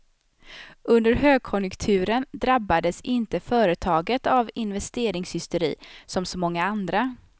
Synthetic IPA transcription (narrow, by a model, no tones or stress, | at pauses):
ɵnd̪əɾɦøːɡ̚kʰɔnjɵkt̪ʰʉ̟ːɾənd̪ɾabːad̪əsɪnt̪əfœːɾət̪ʰɑːɡət̪avɪnvɛst̪eːɾɪŋshʏst̪əɾḭːsɔmsɔmɔŋːaand̪ɾa